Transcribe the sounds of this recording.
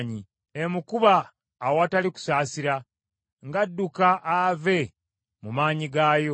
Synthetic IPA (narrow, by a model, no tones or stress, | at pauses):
ɲi | emukuβaː | wataliku̥saːsiɾa | ŋɡadːukaʔave̞ | mumaːɲiɡaːjo̞